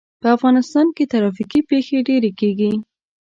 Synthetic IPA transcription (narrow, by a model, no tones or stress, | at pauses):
pəafɣɑnɪst̪ɑnket̪aɾɑfikipexeɖeɾekeɡi